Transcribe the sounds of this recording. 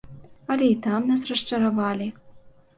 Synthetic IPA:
ɐlʲɛit̪amnasrɐʂt͡ʂɐɾavalʲi

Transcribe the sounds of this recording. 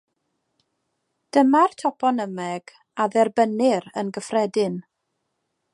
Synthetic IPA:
d̥əmartʰɔpʰɔnəmɛɡ̥ | aðɛrbənɪɾə̰nɡəfrɛdɪn

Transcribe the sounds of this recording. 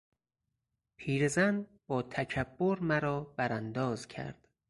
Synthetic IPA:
pʰiːɾezænbɒːt̪ʰæcʰæbːoɾmæɾɒːb̥æɾænd̪ɒːzcʰæ̰ɾd̪̥

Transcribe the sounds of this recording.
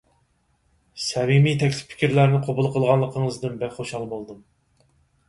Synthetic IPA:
sɛmimit̪ʰɛkʲlɪ̥ppʰi̥kʲiɾlæɾnɪqʰobulˠqʰəlˠʁɑnlˠəqʰəŋəzd̪ɨnbɛχoʃɑlˠbolˠd̪ɨm

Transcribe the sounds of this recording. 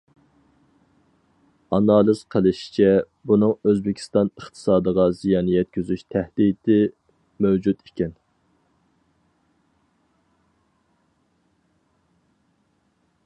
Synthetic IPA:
ɑnɑːlˠɨz̥qʰəlˠɪʃi̥t͡ʃʰɛ | bunɨŋøzbɪkʲʰi̥st̪ɑnəχt̪ʰɨ̥sɑːd̪əʁɑzijɑnɨjɛt̪̚kʲyzyʃt̪ʰɛhd̪it̪ʰɪ | mɛwd͡ʒut̪ikʲʰɛn

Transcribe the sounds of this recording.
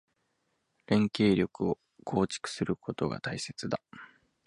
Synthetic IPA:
ɾẽ̞ŋke̞ːɾʲo̞kɯ̟o̞ | kʰo̞ːt͡ɕi̥kɯ̟̥sɨɾɯ̟kʰo̞t̪o̞ɡa̰t̪aise̞t͡sɨd̪a

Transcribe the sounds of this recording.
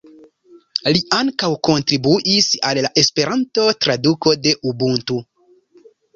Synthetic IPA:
liʔaŋkawko̞ntɾibuʔisalːaʔe̞spe̞ɾanto̞tɾaduko̞de̞ʔubuntu

